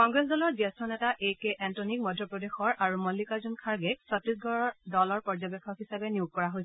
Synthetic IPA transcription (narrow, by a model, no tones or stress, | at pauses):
kɔŋɡɹɛsdɔlɔɹzɛstʰɔnɛtaʔejkeʔɛntɔnik̚mɔdʱːɔpɹɔdexɔɹaɹumɔlːikazunkʰaɹɡɛk̚sɔtɹisɡɔɹɔdɔlɔɹpɔɹzɔbekʰːɔkɦisabɛnijuɡ̚kɔɹaɦojs